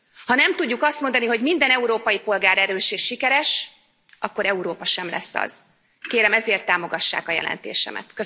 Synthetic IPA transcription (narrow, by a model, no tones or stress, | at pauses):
hɒnɛmt̪uɟːukɒst̪mo̞nd̪ɒniɦo̞ɟmind̪ɛnɛuɾoːpɒjipo̞lɡaːɾɛɾøːʃeːʃːikɛɾɛʃ | ʔɒkːo̞ɾɛuɾoːpɒʃɛmlɛ̰sːɒ̰z̥ | keːɾɛmɛzeːrt̪ːaːmo̞ɡɒʃːa̰ːkɒjɛ̰lʔɛ̰nt̪ḛːʃɛ̰mɛ̰t̪kø